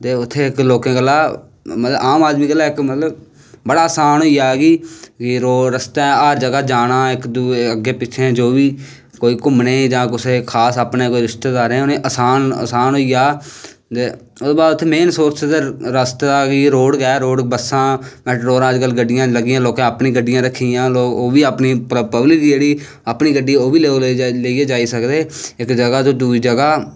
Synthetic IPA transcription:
t̪eːʊt̪ʰːeːɪkloːkẽːɡəlːaː | mət̪ləaːmaːd̪miːɡəlaːɪkmət̪ləb | bəɽaːəsaːnɦoːiːaːɡiːkɪɾoːɾəst̪eaːɾd͡ʒəɡaːd͡ʒaːnãːɪkd̪uəɡːeːpɪt͡ʃʰẽd͡ʒoːʋiː | koːiːkʊmneːd͡ʒãːkʊseːkʰaːsəpneːkoːiːɾɪʃʈ̪ed̪aːɾẽːʊnẽːʔəsaːnə̰saːnɦoːiːaː | t̪e | ʊbaːd̪t̪ʰːemeːnsoːɾt͡ʃd̪eɾəst̪aːkiɾoːɽɡɛːɾoːɽbəsãːmɛːʈɾoːɾãːd͡ʒɡəlɡəɖɪjãːləɡɪjãːloːkãːəpnĩːɡəɖːɪjãːɾəkʰːijãːloːɡoːʋiːəpniːppəblikd͡ʒeːɽiː | əpniːɡəɖːiːoːʋiːleoleːieːd͡ʒaːiːsəkd̪eːɪkd͡ʒəɡaːd͡ʒ̪oːd̪uːiːd͡ʒəɡaː

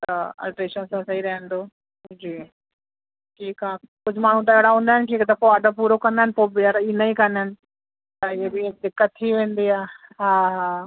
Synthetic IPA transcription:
t̪ɐa̰ːlʈɾeːʃənsãsɐɦiɾɐɦə̃nd̪oː | d͡ʑiː | ʈʰiːkaːkʊd͡ʑʱmaːɳ̤ũt̪̬ɐɪɦɪɽaɦũːnd̪aɦɪnɪʈʰiːkt̪ɐpoaɖəpuːɾokɐ̃nd̪aɦɪnɪpoːbɪəɾinaikɐnanɪ̆ | t̪ɐɪɦebɪd̪ɪkːət̪ʰːiʋẽːn̆d̪iaːɦaːɦaː

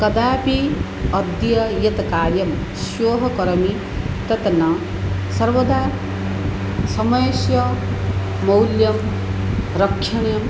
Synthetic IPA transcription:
kɐd̪aːpi | ʌd̪jɐjet̪kaːɾjɐm | sjoːɦɐkɐɾɐmi | t̪ɐt̪nɐ | sʌɾʋɐd̪ʱaː | sʌmʌjsjʌ | mʌwljɐm | ɾʌkʰːɐnɐjɐm

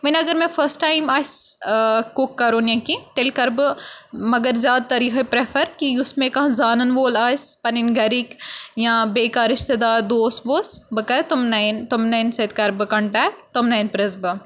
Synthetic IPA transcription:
mɐnɐɡɐɾmẽfʰɐɾsʈaːjmaːs | kukːɐɾoːnjɐ̃kit̪elkɐɾbɨmɐɡɐɾzjaːd̪̚t̪ɐɾiːxepɾefʰɐɾkiʊsmẽkɐɦãzaːnɐnʋoːlaːjspɐninɡɐɾikjãbeːkaːɾɪʃt̪ed̪aːɾd̪oːsboːsbɨkɐt̪umnɐnt̪ʊmnɐnsɐt̪kɐɾbɨkɐɳʈɛːt̪ʊmnɐjnpɾezbɨ

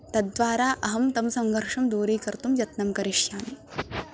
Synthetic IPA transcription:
t̪ɐd̪ʋaːɾaːʔɐɦɐmt̪ɐmsɐŋɡʱɐɾʂɐmd̪uːɾiːkɐɾt̪umjɐt̪nɐmkɐɾiʂjaːn

